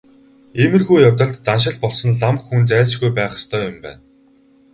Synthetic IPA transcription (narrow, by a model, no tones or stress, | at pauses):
emɘ̆rxujjawt̪ə̆ɮt̪t͡sanʃ̬ɪ̆ɮpɔɮsɞ̆nɮamkxːunt͡sæːt͡ɕɡujpæːχə̥̆st̪ʰœːjʊmpæ̰ːn